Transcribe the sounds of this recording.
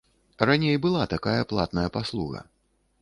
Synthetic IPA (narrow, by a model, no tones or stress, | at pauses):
ranʲejbɨlˠat̪akajɐplˠat̪̚nɐjɐpaslˠuɣɐ̰